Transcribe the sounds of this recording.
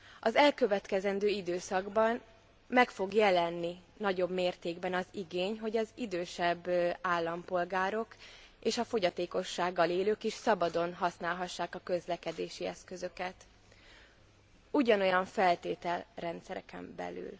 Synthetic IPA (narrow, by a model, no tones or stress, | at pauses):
ɒzɛlkøvɛt̪kɛzɛnd̪øːid̪øːsɒɡbɒn | mɛkfo̞ɡjɛlɛnːinɒɟo̞bmeːrt̪eːɡbɛnɒziɡeːɲɦo̞ɟɒzid̪øːʃɛbːaːlːɒmpo̞lɡaːɾo̞k | eːʃɒfo̞ɟɒt̪eːko̞ʃːaːɡːɒleːløːkiʃsɒbɒd̪o̞nɦɒsnaːlɦɒʃːaːkɒkø̞zlɛkɛd̪eːʃiɛ̰skø̞zø̞kɛt̪ | uɟɒno̞jɒɱfɛlt̪eːt̪ɛlrɛnt̪sɛɾɛ̰kɛ̰mbɛ̰ly̰l